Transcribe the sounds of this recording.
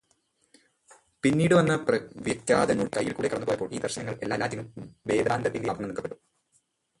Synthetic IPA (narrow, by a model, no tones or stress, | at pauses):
pinːiːɽɨʋɐnːɐpɐʋɐt̪ːja̰ːd̪ɐnuɭkɐjːilkuːɽekɐɽɐnːɨpoːjɐpːoːɭʔiːd̪ɐrɕɐnɐŋːɐɭelːaːlːaːtːilumʋe̞ːd̪aːnd̪ɐt̪ːinldejaːb̪ɐnɐmnikːɐpːeɽum